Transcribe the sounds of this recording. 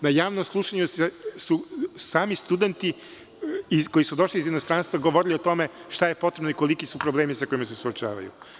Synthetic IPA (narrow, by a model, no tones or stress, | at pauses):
najaːʋnomslˠuʃaɲusesusaːmist̪ud̪e̞nt̪i | ikojisud̪o̞ʃliːzinost̪ɾanst̪vʋaɡo̞ʋo̞ɾiliot̪o̞me̞ʃt̪ajepo̞t̪ɾebnoiko̞likisupɾoble̞ːmisako̞imas̬esuot͡ʃa̰ːʋa̰jṵ